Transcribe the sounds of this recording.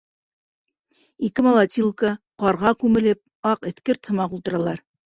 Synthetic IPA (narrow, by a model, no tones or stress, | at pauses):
ikɘmɐlˠɑt̪ʲilˠkəqɑɾʁɑkʉmɘ̆lɘp̚ | ɑqɘ̆θkɘɾt̪hɤ̆mɑqulˠt̪ɤ̆ɾɑlˠɑɾ